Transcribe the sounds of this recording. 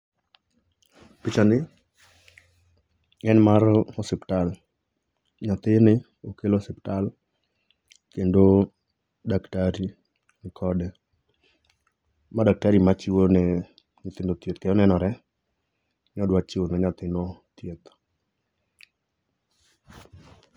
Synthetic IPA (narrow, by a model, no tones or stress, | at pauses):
pɪt͡ʃanɪ | ɛnmaɾɔsɪptal | ɲat̪ɪnɪ | okelosɪptal | kendo | daktaɾi | nɪkʰɔdɛ | madak̚taɾimat͡ʃɪwonɛ | ɲɪt̪ɪndot̪jet̪kɛjɔnɛnɔɾɛ | ɲɔdwat͡ʃɪwonɔɲat̪ɪnot̪jet̪